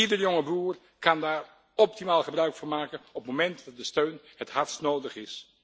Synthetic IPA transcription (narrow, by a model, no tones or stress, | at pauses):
idəɹjoŋəbruːɹ | kɑndaːɹ | ɔp̚timaːlˠχəbrœɥkfʊːɹmaːkənɔpmomɛntdɑt̚dəstøɥnhətɦɑɹtsnowdəχɪs